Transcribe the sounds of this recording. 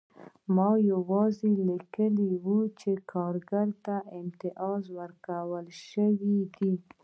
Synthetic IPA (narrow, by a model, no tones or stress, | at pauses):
mɑjawɑzelikəliwut͡ʃekʰɑɾɡaɾt̪aɪmt̪ɪʔɑzwəɾkawəlʃəwid̪i